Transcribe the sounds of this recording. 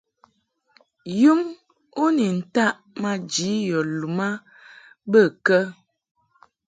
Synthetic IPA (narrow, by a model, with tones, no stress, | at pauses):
ju˦m | o˦ni˨n̩˨ta˦ʔ | ma˨d͡ʒi˨˦jɔ˨lu˨ma˦ | bə˦˨kə˦